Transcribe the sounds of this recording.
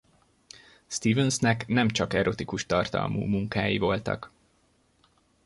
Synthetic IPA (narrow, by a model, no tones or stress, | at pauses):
st̪iːvɛnsnɛknɛmt͡ʃɒkɛɾo̞t̪ikuʃt̪ɒrt̪ɒ̰lmṵːmuŋkaːjivo̞lt̪ɒ̰k